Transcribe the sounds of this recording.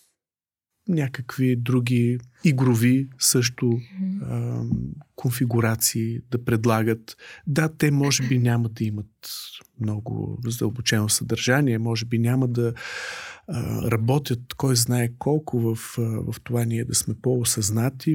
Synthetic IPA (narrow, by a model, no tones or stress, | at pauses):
nʲakəkvid̪ɾuɡʲiiɡɾʊvisɤʃ̬t̪ʊ | konfiɡʊɾat̪siːd̪ɐpɾɛd̪lˠaɡət̪d̪at̪ɛmɔʒɛbinʲaməd̪ɐimət̪mnɔɡʊ̰zəd̪ə̰lˠbʊt͡ʃɛnʊsɐd̪ɐɾʒaniɛmɔʒɛbinʲaməd̪ɐ̰ | ɾɐbɔt̪ʲjət̪kɔjznaɛkʰɔlˠkʰʊvəfvɐ̰ft̪ovanʲiɛd̪ɐsmɛpɔʊsɐznat̪i